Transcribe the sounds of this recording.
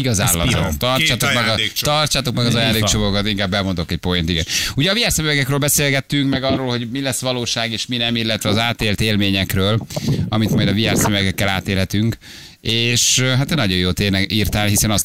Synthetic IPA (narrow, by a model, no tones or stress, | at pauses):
iɡɒzaːlːɒot̪ɒrt͡ʃaːt̪okmɛɡt̪ɒrt͡ʃaːt̪o̞kmɛɡɒzɒjaːnd̪eːkt͡ʃomokot̪iŋkaːbːɛmo̞nd̪okɛc̚po̞jent̪iɡɛ̰nuɟɛɒviaːrsɛmøvɛɡɛkrøːlbɛseːlɡɛt̪ːyŋkmɛɡɒrːoːlho̞ɟmilɛsːʋɒloːʃaːɡeːʃminɛmilːɛt̪ʋɛɒzaːt̪eːlt̪eːlmeːɲɛkrøːlɒmit̪mɒjd̪ɒvia̰ːrsɛmːɛɡɛkːɛla̰ːt̪eːlɦɛt̪yŋk | eːʃɦat̪nɒɟo̞joːt̪eːnɛʔirt̪aːnɦisɛnɒst̪